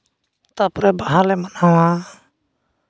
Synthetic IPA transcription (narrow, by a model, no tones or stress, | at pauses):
t̪apɾɛbaɦaɾlɛmanawa